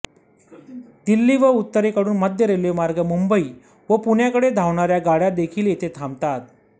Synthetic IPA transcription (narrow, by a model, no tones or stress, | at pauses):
d̪ilːiːʋəut̪ːəɾekəɽuːnməd̪jəɾelemaɾɡəmumbəiː | ʋəpuɳjakəɽed̪ʱaʋɳaɾjaɡaɽjad̪ekʰiːljet̪ʰet̪ʰamt̪at̪̚